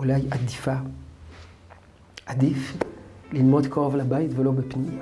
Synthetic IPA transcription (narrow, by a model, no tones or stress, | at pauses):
ulajad̪ifa | ʔad̪iflilmo̞d̪kaʁovlabait̪velo̞bepnim